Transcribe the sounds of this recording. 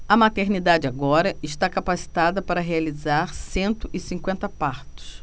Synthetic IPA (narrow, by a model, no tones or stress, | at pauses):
ɐmat̪eɾnid̪ad͡ʒɪaɡɔɾɐɪʃt̪akapasi̥t̪ad̪ɐpaɾɐɦealizaɾsẽnt̪ʊɪsĩŋkwẽnt̪ɐpaɾt̪ʊ̥s